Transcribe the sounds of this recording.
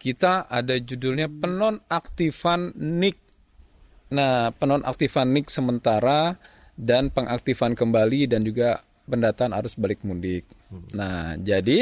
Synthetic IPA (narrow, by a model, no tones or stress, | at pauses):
kit̪aʔadad͡ʒudʊlɲapənɔnak̚t̪ifanːɪk̚ | napənɔnʔa̰k̚t̪ifanːɪk̚səmənt̪aɾa | danpəŋʔak̚t̪ifankəmbalidand͡ʒuɡa | pəndat̪aːnhaɾʊsbalɪk̚mudɪk̚nahd͡ʒadi